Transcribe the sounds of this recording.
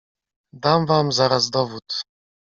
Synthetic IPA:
d̪amvamzaɾazd̪ɔvut̪

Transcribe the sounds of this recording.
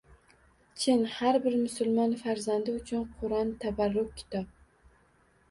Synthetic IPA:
t͡ʃʰenhaɾbɪɾmʊsʊlˠmɒnfaɾzand̪ɪʊt͡ʃʰʊnqʰʊɾɒnt̪ʰabaɾːʊk̚ʲkʲʰːɪ̥t̪ʰɒp̚

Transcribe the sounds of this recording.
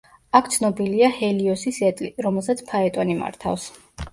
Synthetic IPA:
akʰt̪sʰnɔbiliahɛliɔsisɛt̪ʼliɾɔmɛlˠsat̪sʰpʰaɛt̪ʼɔnima̰ɾt̪ʰa̰fs

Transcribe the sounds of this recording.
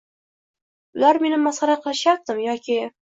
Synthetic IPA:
ʊlaɾme̞nɪmːasχɑɾaqʰɨlˠɪʃjap̚d̪ɪmjɒkʲʰɪ

